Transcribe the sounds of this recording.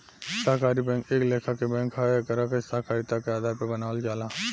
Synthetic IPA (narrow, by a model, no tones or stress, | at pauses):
saɦkaːɾibɛ̃ːŋkeːkleːkʰakebɛ̃ːŋkʰɦakəɾakesaɦkaːɾit̪akeaːd̪ʱaːɾpebənaːld͡ʒaːla